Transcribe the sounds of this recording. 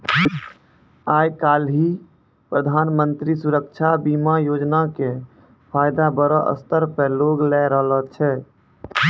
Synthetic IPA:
ajkalɦi | pɾəd̪ʱanmənt̪ɾisuɾəkt͡ʃʰabimajod͡ʒnake | pʰajd̪abəɾəʔə̰st̪əɾpəloɡlɛɾəɦlət͡ʃʰɛ

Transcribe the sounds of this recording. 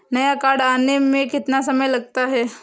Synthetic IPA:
nəjakaɽanemekit̪nasəməjləɡ̚t̪əaɦe

